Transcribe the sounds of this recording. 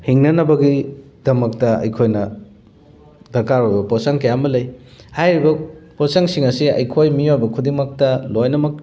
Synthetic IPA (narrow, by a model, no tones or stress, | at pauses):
hiŋnɐnɐbɐɡidɐmɐk̚tɐɐ̰jkʰojnɐ | dɐɾkaɾojbɐposaŋkɐjamɐlɐjhajɾibɐposaŋsiŋɐsiɐ̰jkʰojmiojbɐkʰudiŋmɐk̚tɐlojnɐmɐk̚